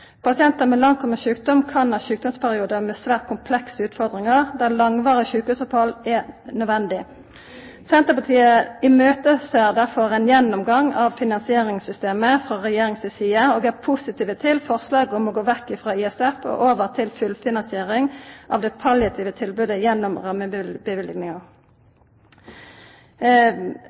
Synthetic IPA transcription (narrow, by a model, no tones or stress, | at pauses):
pʰɑsɪɛnt̪əmɛlɑŋt̪ʰɔməʃʉːkd̪ɔmkʰɑnɑʃʉːk̚d̪ɔmspʰæʁɪuːd̪əmɛsʋæːʁt̪̚kʰʊmpʰlɛksəʉːt̪fɔʁd̪ʁɪŋəʁd̪æʁlɑŋʋɑːʁəçʉːkəʉsɑpɔlːɛnœd̪ʋɛnd̪ɪ | sɛnt̪əpɑt̪ʰiːəɪmøːt̪əsɛʁd̪æʁfɔɾɛɪnjɛnːɔmɡɑŋɑʋfɪnɑnsɪeːʁɪŋsʏst̪eːməfʁɑʁɛjeːʁɪŋsɛsiːəoːɡæpʰʊsɪt̪ʰiːʋət̪ʰɪlfɔʁslɑːɡɔmɔɡoːʋɛkːɪfʁɑːɪɛsɛfɔ̰ʔoːʋəʁt̪ʰɪlfʉlfɪnɑnsɪeːʁɪŋʔɑ̰ʋd̪ɛpʰɑljɑt̪ʰiːʋət̪ʰɪlbʉːd̪əjɛnːɔmʁɑmːəbəʋɪlɡnɪŋɑʁ